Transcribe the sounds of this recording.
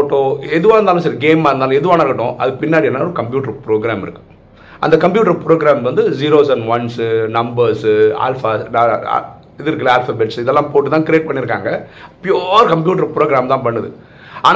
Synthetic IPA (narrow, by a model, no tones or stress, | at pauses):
oːʈːoːɛðɯʋaːɾɯnd̪aːlʊ̃sɐɾiɡeːmaːɾɯnd̪aːlʊ̃ɛðɯʋaːnaɾkːɐʈːʊ̃ʔɐ̰ðɯpɪnːaːɽiɛnːaːɔɾɯkɐmpjuːʈɐɾpɾoːɡɾaːmɪɾɯkːɯ̥ | ʔɐ̰nd̪ɐkɐmpjuːʈ̬ɐɾpɾoːɡɪɾaːmʋɐnd̪ɯd͡ʒiːɾoːs̬ɐnʋɐnsnɐmbɐɾsa̰ːlfa̰ː | ɪðɯɾɯkːɪlaːlfabɛʈsɪðɛlːãːpoːʈːɯt̪ãːkɪɾɪeːʈ̚pɐɳːɪɾɯkːa̰ːŋɡɐpjoɾkɐmp̬juːʈ̬ɐɾpɾoːɡɾaːmt̪ãːpɐɳːɯðɯ̰ | aːn